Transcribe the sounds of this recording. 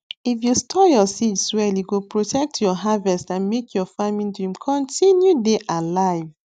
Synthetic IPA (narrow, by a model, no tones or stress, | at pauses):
ifjustʰɔjɔsitswɛliɡopɹotʰɛk̚tʰjɔɦavɛstãnmekʰjɔfamĩndɹĩmkʰɔ̃ntĩnjudeʔalaɪv